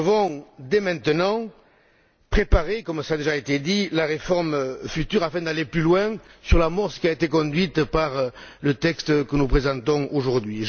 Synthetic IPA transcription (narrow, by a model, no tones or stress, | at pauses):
vɔ̃d̪emɛ̃nt̪ənɑ̃ | pχepaʁekɔmsad̪eʒaet̪ed̪ilaʁefɔʁmfyt̪yʁafɛ̃d̪aleplylwɛ̃syʁlamɔʁsə̥kʲiaet̪ekɔ̃d̪ɥit̪paʁlət̪ɛkst̪kənupχezɑ̃t̪ɔ̃oʒuʁd̪ɥiʒ